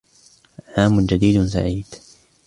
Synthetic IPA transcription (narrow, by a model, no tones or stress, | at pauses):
ʕaːmʊnd͡ʒad̪iːd̪sa̰ʕiːd̪̥